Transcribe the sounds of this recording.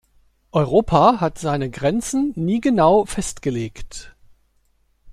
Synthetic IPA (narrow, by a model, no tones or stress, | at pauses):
ʔɔʏʁ̞oːpʰahatz̥aɪnəɡʁɛnt͡sn̩ːiːɡənaʊfɛstɡ̥əleːkt